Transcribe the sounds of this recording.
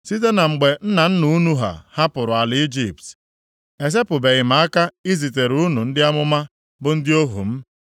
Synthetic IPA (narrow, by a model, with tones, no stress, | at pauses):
si˦t̬e˦na˨ŋ͡m̩˨ɡ͡be˨n̩˦na˨n̩˦nu˨u˦nu˦ɦa̰˨ha˦pʊ˨ɾʊ˨a˨lɪ˨i˦d͡ʒi˦˨p̚t | e˨s̬e˦pʊ˨be˨ɣɪ˨m̩a˨˦a˦ka˦i˦zi˨t̬e˨ɾu˦nu˨n̩˦dɪ˦a˦mʊ˦ma˦ | bʊ˦n̩˦dɪ˦o˦ɦṵ˨m̩˦